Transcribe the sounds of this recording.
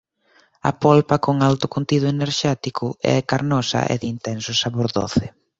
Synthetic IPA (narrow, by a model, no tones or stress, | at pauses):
ɐ̰pɔlpɐkoŋalt̪ʊkunt̪iðʊeneɾʃɛt̪ikʰʊɛ̰kaɾnɔsɐ̰ʔɛ̰ðint̪ɛnsʊsaβoɾðo̰θɪ